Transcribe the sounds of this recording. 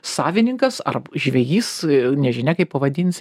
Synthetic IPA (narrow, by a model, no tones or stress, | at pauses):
sɑːʋʲɪnʲɪŋkɐsɐ̰rʒʲʋʲɛjiːsnʲɛʒʲɪnʲɛkɐɪpɐʋɐd̪ʲiːnʲsʲ